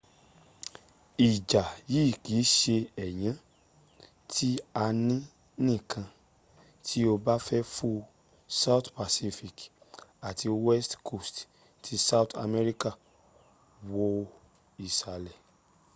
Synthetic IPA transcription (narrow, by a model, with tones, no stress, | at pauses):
i˨d͡ʒa˨jiː˦˨ki˨˦ʃe˧ɛ˨j̃ã˨˦ | tʰi˦a˧nĩ˦ | nĩ˦˨kʰã˧ | tʰi˦o˧ba˦fɛ˦fu˦ | sa˦u˦˨tpa˨si˦˧fi˨k | a˨tʰi˧wɛ˦stkʰo˦˨st | tʰi˧˦sa˦u˦˨tʰa̰˧mɛ˦ɾi˦ka˦˨ | wo˧ | i˨ʃa˨lɛ˨